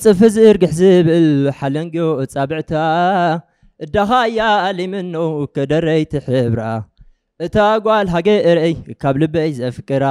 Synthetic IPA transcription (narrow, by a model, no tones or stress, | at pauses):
t͡sʼɨfɨzɨɾɡɨħzibɨlɨħalɐŋɡoʔɨt͡sʼabɨʕt̪ʰa | ʔɨd̪axajaːlimɨnːowkɐd̪ɐɾɐjt̪ʰiħɨβɾa | ʔɨt̪ʰaɡʷalɦaɡeʔɨɾʔejkʰaβlɨbɐjzɨɐfɨkʼːɨɾa